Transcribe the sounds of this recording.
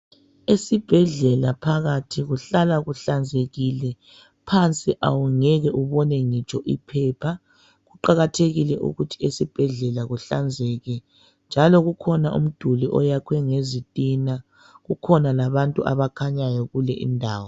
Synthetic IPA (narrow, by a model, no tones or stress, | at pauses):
esib̥ʱɛɮɛlapʰaɣatʰiɣuɬalaɣuɬand͡zʱeɣilɛ | pʰant͡sʼiʔa̰wuŋɛɣɛʔuβɔnɛŋit͡ʃʼɔʔipʰɛpʰa | ɣuǃaɣatʰeɣilɛʔṵɣutʰi̥esib̥ʱɛɮɛlaɣuɬand͡zʱɛɣɛ | nd͡ʒʱalɔɣukʰɔnaʔṵm̩d̥ʱuliʔɔjakʰwɛŋezitʼina | ɣukʰɔnalaβantʼuʔa̰βakʰaɲajɔɣulɛʔḭndʱaːwɔ